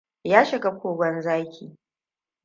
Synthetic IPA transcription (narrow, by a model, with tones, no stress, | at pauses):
jaː˦ʃɪ˨ka˦kʷoː˨ɡʷɔ˦nzaː˦kʲʰiː˨